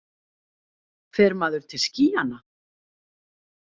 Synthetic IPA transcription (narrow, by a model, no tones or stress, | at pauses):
kʰfɛɾmaːðʏɾ̥t̪ʰɪlsciːana